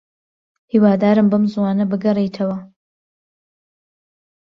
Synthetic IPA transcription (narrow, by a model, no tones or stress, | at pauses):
hiwaːd̪aːɾɨmbɐmzuwaːnɐbɨɡɐrejt̪ʰɐwɐ